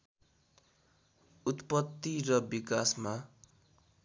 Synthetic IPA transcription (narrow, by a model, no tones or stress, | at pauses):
ut̪pʌt̪ːirʌbikasma